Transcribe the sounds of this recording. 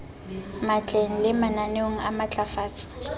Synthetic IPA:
mat͡ɬʼeŋ̩lɪmananeŋ̩amat͡ɬʼafaːt͡sʼɪ̥

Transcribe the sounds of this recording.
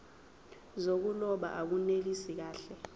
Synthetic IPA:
zok̬ulɔɓa̰ʔak̬unelisik̬aːɬɛ

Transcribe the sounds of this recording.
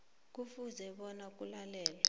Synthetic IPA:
k̬ufuzɛɓɔnak̬ʼulalɛːlɔ

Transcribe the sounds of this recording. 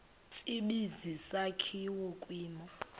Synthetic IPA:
t͡ʃʼiɓizisakʰiwɔkʼwiːmɔ

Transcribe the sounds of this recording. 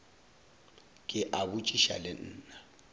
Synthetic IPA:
kʼɪʔabut͡ʃʼiʃa̰lɪn̩ːna

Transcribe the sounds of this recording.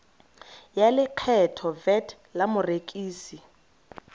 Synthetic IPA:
jalɪkʰɛtʰɔvɛtʰ | lamʊrekʼiːsi

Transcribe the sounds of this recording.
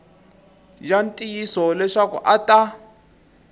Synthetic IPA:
jantʼijisɔlɛʂakṵʔatʼa

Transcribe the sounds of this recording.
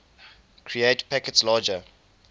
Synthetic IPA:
kʰɹietpʰækɛtslaːd͡ʒə

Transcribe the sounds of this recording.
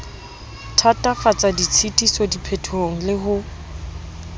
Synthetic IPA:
tʰatʼafat͡sʼadit͡sʰitʼisɔdipʰetʰoŋ̩lɪɦʊ

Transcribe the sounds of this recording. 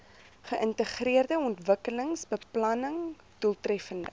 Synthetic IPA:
χəʔəntəχriərdəɔntvəkələŋsbəplɐnəŋ | d̥ulˠtrɛfəndə̰

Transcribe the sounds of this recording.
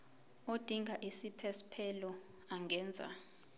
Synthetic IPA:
od̥ʱiŋʱaʔisipʰɛspʰɛlɔ | aŋɡʱɛːnd͡zʱa̰

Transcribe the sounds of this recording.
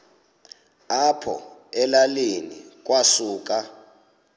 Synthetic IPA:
apʰɔ̰ɛlalenḭk̬ʼwasuːk̬ʼa

